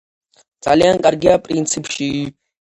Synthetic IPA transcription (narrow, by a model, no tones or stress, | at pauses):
t͡sʼaliankʼarɡʲiapʼrint͡sʰɨpʰʃi